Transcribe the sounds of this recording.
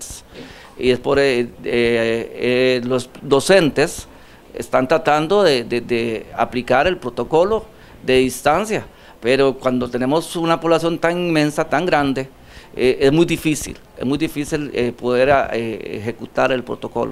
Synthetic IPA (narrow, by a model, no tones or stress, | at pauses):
iespoɾeeelosd̪o̞se̞nt̪es | ḛst̪ant̪ɾat̪and̪o̞ðed̪ed̪ea̰plikaɾe̞lpɾo̞t̪o̞ko̞lo̞ | ðe̞ðist̪ansja | pe̞ɾokwand̪ot̪ene̞mo̞sunapo̞βlasjo̞nt̪aninmẽ̞nsat̪aŋɡɾand̪e | eʔezmujd̪ifisḭl | ḛzmujd̪ifisilepoðe̞ɾeḛxe̞kut̪aɾe̞lpɾo̰t̪o̞ko̞̰lo̰